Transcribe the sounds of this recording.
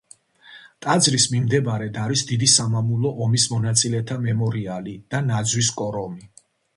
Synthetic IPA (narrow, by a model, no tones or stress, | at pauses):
t̪ʼad̪zɾismimd̪ɛbaɾɛd̪aɾisd̪id̪isamamulˠɔʔɔmismɔnat̪sʼilɛt̪ʰamɛmɔɾialid̪̥anad̪zwiskʼɔɾɔmi